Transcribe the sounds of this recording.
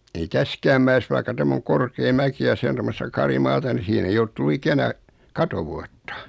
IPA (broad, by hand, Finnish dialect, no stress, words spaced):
ei tæskæːm mæes ʋɑikːɑ tæmː oŋ korkeː mæki jɑ se on tomːostɑ kɑrimɑːtɑ ni siːhen ei olt tulːu ikænæ kɑtoʋuɑtːɑ̥